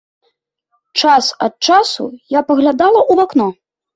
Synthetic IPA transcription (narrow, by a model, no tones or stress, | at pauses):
t͡ʂasɐt̪̚t͡ʂasṵjapɐɣlʲad̪alˠɐʔuvaknɔ